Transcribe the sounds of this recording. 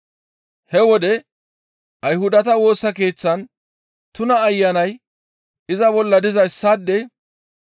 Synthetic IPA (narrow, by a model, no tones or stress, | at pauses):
hɛwɔd̪ɛ | ʔɐjhʊd̪ɐt̪ɐwo̞ːsːɐke̞ːt͡sːɐn | t̪ʊnɐːjːɐnɐj | ʔɪzɐbɔlːɐd̪ɪzɐɪsːaːd̪ːɛ